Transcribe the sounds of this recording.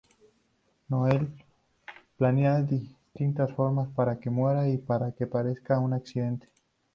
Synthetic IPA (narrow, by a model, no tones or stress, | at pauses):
no̞e̞l | planeaðist̪int̪asfo̞ɾmaspaɾake̞mwe̞ɾaipaɾakepaɾe̞skaunaksiðe̞nt̪e̥